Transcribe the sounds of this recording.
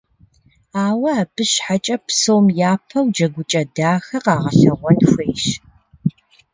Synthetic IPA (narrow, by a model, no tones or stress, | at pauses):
aːwɐaːb̥ɨɕħat͡ʃʼɐpsowmjaːpʰɐwd͡ʒɐɡʷʊt͡ʃʼɐdaːxɐqɑːʁɐɬɐʁʷɔnxʷeːʃ